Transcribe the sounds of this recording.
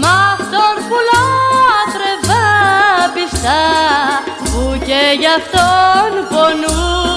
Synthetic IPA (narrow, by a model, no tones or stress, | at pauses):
mɐst̪oɾpuloɐt̪ɾevɐpist̪ɐ | puceʝɐft̪onponu